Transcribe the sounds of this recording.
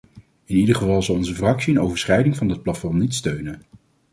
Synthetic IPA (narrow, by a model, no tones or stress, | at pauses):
ɪnidəχəvɑlˠzɑlˠɔnzəvrɑksiənowvəɹsχɛjdɪŋvɑndɑt̚plɑtfɔmnitstøɥnən